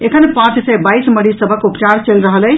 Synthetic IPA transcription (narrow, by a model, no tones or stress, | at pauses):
ekʰənpãt͡ʃsɛbajsməɽisəbʱəkupt͡ʃaɾt͡ʃelɾəɦələ